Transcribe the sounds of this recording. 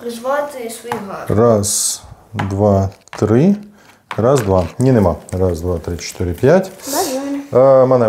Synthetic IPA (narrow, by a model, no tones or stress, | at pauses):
ras | d̪vatt̪ɾʲi | rasd̪vanʲɪnɨmarasd̪vat̪ɾʲit͡ɕɪ̥t̪ɨɾʲɪpʲjætʲ | əmɐnɛ